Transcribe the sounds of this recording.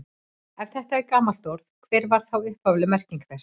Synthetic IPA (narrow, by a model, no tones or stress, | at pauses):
ɛvθɛht̪aɛɾkaːmalt̪ɔɾð̥kʰv̥ɛːɾvaɾ̥θawʏhpavlɪmɛr̥ciŋkθɛs